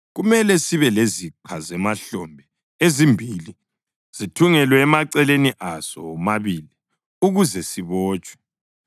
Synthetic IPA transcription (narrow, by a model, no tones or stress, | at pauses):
ɣumɛlɛsiβɛleziǃʰazɛmaɬɔmbʱɛ | ezimbʱili | z̥itʰuŋɛlwɛːmaǀɛleniʔasɔ̰maβili | uɣuzɛsiβɔːt͡ʃʼwɛ̥